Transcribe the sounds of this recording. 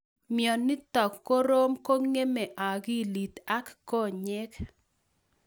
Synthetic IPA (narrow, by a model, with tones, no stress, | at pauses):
mjɔ˨nːɪ˦t̪ɔ˨kːo˦ɾo˦mko˦ŋe˦me˨ʔa˨ɡi˦˨li˨t̪a˦kko˦˨ɲɛ˦k